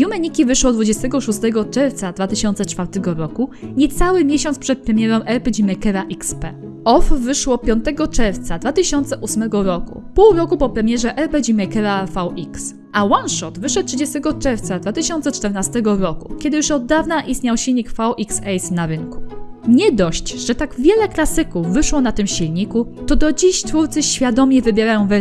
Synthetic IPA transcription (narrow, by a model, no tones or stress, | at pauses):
jumɛɲikʲivɘʂwɔd̪vud͡ʑɛst̪ɛɡɔʂust̪ɛɡɔt͡ʂɛɾft̪sad̪vat̪ɘɕɔnt̪sɛt͡ʂfaɾt̪ɛɡɔɾɔkuɲɛt̪sawɘmʲjeɕɔnt̪spʂɛt̪̚pɾɛmʲjɛɾɔ̃w̃ʔɛɾpɛd͡ʑimɛkɛɾaʔikspɛ | ɔfvɘʂwɔpʲjɔnt̪ɛɡɔt͡ʂɛɾft̪sad̪vat̪ɘɕɔnt̪sɛʔusmɛɡɔɾɔkṵpuwɾɔkupɔpɾɛmʲjɛʐɛʔɛɾpɛd͡ʑimɛkɛɾafawiks | ʔawanʂɔt̪vɘʂɛt̪̚t̪ːʂɘd͡ʑɛst̪ɛɡɔt͡ʂɛɾft̪sad̪vat̪ɘɕɔnt̪sɛt͡ʂt̪ɛɾnast̪ɛɡɔɾɔkukʲɛd̪ɘjuʂɔd̪ːavnaʔist̪ɲawɕilɲikfawʔiksɛjsnaɾɘŋku̥ɲɛd̪ɔɕt͡ɕʐ̥ɛt̪aɡvʲjɛlɛklasɘkuvːɘʂwɔnat̪ɘmɕilɲikut̪ɔd̪ɔd͡ʑiɕtfuɾt̪sɘɕfʲjad̪ɔmʲɛvɘbʲjɛɾajɔ̃w̃vɛ